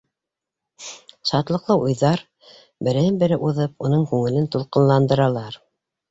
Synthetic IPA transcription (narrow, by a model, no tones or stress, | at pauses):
ʃɑt̪lˠɤ̆qlˠɤʔujðɑɾ | bɘ̆ɾæɘnbɘ̆ɾɘʔuðɤpunɤɴkʉŋɘ̆lɘnt̪ulˠqɤ̆nlˠɑnd̪ɤ̆ɾɑlˠɑɾ